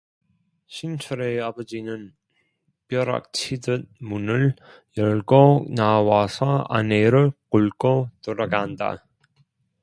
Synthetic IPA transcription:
ɕʰint͡ɕʰʌɾeabʌd͡ʑinɯn | pjʌɾa̰k̚t͡ɕʰidɯt̚munɯɭ | jʌɭɡonawasʰʌa̰neɾɯɭquɭɡotoɾaɡanda̰

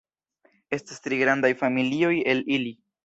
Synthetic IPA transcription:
e̞stastɾiɡɾandajfamilio̞je̞lili

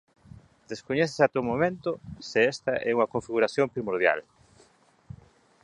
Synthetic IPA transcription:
d̪̥eskoɲɛθe̥sat̪omomẽnt̪ʊsɪɛst̪ɐʔɛuŋɐkoɱfiɣuɾaθjompɾimoɾð̞ja̰l

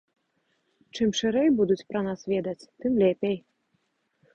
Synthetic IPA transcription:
t͡ʂɨmʂɨɾɛjbud̪ut͡sʲpɾɐnasvʲɛd̪ɐt͡sʲt̪ɨmlʲɛpʲej

